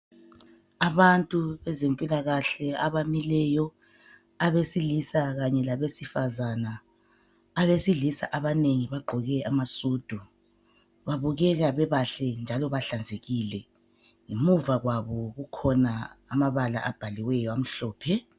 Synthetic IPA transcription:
aβantʼuβɛzempʼilaɣaɬɛaβamilɛjɔ | aβesilisaɣaɲɛlaβesifazanaː | βesiɮisa̰ʔaβaneŋiβaɡ͡ǃʱɔɣɛamasuːd̥ʱu | βaβuɣɛɣaβɛβaɬɛnd͡ʒʱalɔβaɬand͡zʱeɣilɛ | ŋimuvaɣwaβɔɣukʰɔnaamaβala̰ʔab̥ʱaliwɛjɔam̩ɬɔːpʰɛ

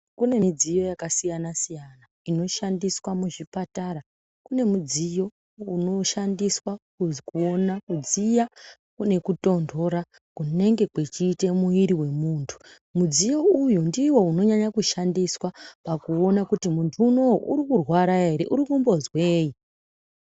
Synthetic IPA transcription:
kune̞mid͡zijo̞jakasijanasijana | ino̞ʃandiswamuʐipataɾa | kune̞mud͡zijo̞ | uno̞ʃandiswakukuonakud͡zija | kune̞kuto̞ndʱo̞ɾa | kune̞ŋɡe̞kwet͡ʃiːtemuiɾiwe̞muːntʰu̥ | mud͡zijo̞ujundiwo̞uno̞ɲaɲakuʃandiswapakuo̞nakutimuntʰuːno̞wuʔuɾikurwaɾaɦe̞ɾe̞̰ʔuɾikumbo̞zwe̞ːji

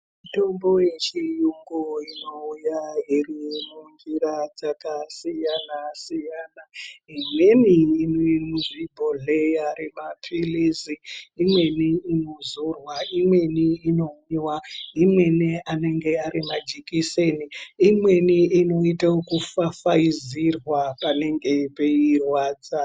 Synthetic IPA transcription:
mito̞mbo̞je̞t͡ʃijuŋɡoino̞ujairimund͡ʒiɾad͡zakasijanasijanaimwe̞niːnomuʐibʱoɮejaɾimapʰiliziimwe̞niinozorwaimwe̞niːno̞miwaimwe̞niane̞ŋɡe̞aɾimad͡ʒikiseniːmwe̞niino̞itaokufafaizirwapane̞ŋɡe̞peirwad͡za

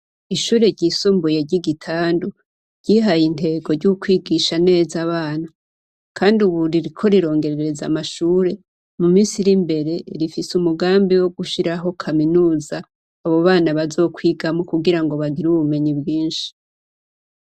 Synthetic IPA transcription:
iʃuːɾe̞ɟisumbuje̞ɾɟiɡitʰaːndu | ɾɟiɦajin̥te̞ːɡo̞ɾɟukwiːɡiʃane̞ːzaβaːna | kʰaːndiuβuɾiɾikʰo̞ɾiɾo̞ːŋɡe̞ɾeɾeɾe̞za̰maʃuːɾe̞ | mumiːnsiɾimbe̞ɾe̞ɾifisumuɡaːmbiwo̞ɡuʃiɾaɦo̞kʰaminuːzaː | βo̞βaːnaβazo̞ːkʰwiːɡamokuɡiɾaŋɡo̞βaɡiɾuβume̞ɲibɡiːnʃi̥

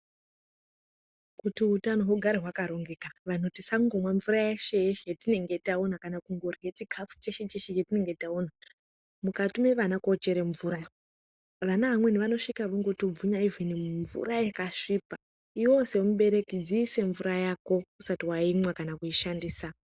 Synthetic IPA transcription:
kutiutano̞ɦoɡʱaɾeɦwakaɾo̞ŋɡekaʋano̞tisaŋɡomwaɱvuɾajeʃe̞jʃjetine̞ŋɡe̞taonakanakuŋɡo̞rje̞t͡ʃiɡʱap͡fu̥t͡ʃe̞ʃe̞t͡ʃeʃet͡ʃetine̞ŋɡe̞taona | mukatume̞ʋanakot͡ʃe̞ɾeɱvuːɾa | ʋanaʋamwe̞niʋano̞ʂikaʋoŋɡotob͡vuɲaiviniɱvṵrajekaʂipa | iwo̞se̞womuɓe̞ɾe̞kid͡ziːse̞ɱvuɾajako̞usatiwaimwakanakuiʃandiːsa

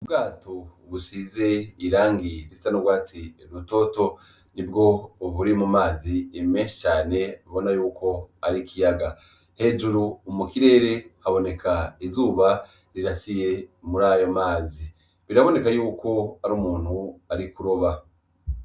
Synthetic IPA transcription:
ubɡaːtoβusize̞iɾaːŋɡiɾisanoɡwaːt͡siɾuto̞ːto̞ | nibɡo̞ːβuɾimumaːziemeːnʃi̥t͡ʃaːne̞βo̞najuːko̞aɾikʰijaɡa | he̞ːd͡ʒuɾuːmukiɾe̞ːɾe̞haβo̞ne̞kʰaizuːβa | ɾiɾasije̞muɾaːjo̞maːzi | βiɾaβo̞ne̞kajuːko̞aɾuːmuːnhuaɾikuɾo̞βa

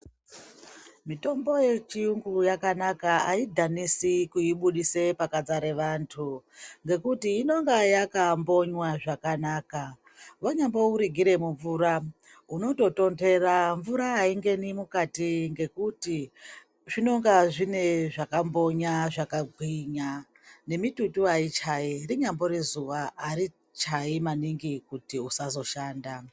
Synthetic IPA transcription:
mito̞mbo̞je̞t͡ʃiuŋɡujakanakaaidʱanisikuiɓuɗise̞pakad͡zaɾe̞ʋantʰuŋɡe̞kutiːno̞ŋɡajakambo̞ɲwaʐakanaːka | waɲambo̞uɾiɡʱiɾe̞muɱvuːɾa | uno̞to̞to̞nde̞ɾaɱvuɾaːiŋɡe̞nimukatiŋɡe̞kuti | ʐino̞ŋɡaʐine̞ʐakambo̞ɲaʐakaɡʱwiɲa | ne̞mitutuait͡ʃairiɲambo̞ɾezuʋaːɾi | t͡ʃaimaniŋɡikutiusazo̞ʃaːnda

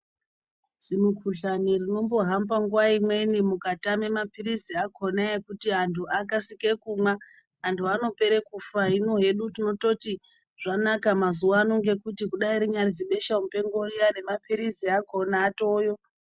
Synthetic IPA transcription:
zimukʰuɬanirino̞mbo̞ɦambaŋɡuwaimwe̞nimukatame̞mapiɾiziakʰonaekutiɦantʰuʔakasikekuma | ɦantʰuano̞pe̞ɾe̞kufaɦino̞ɦe̞ɗutino̞to̞ti | ʐ̥anakamazuwano̞ŋɡe̞kutikuɗaiɾiɲarid͡ziɓe̞ʃaumpe̞ŋɡorijane̞mapʰiɾiziakʰo̞naːto̞ːjo̞

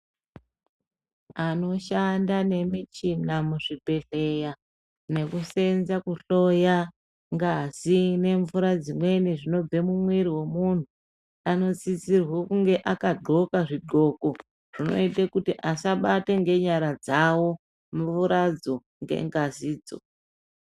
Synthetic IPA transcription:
ano̞ʃandane̞mit͡ʃinamuʐibʱe̞ɬe̞ja | ne̞kuse̞nzakuɬo̞ja | ŋɡazine̞ɱvuɾad͡zimwe̞niʐino̞b͡vemumwiɾiwe̞mun̤u | ano̞t͡sit͡sirwokuŋɡe̞ʔakaɡ͡ǃʱo̞kaʐiɡo̞ko̞ | ʐ̥ino̞̰itekutiʔasaɓateŋɡe̞ɲaɾad͡zawo̞ | mvuɾad͡zo̞ | ŋɡḛŋɡaziːd͡zo̰

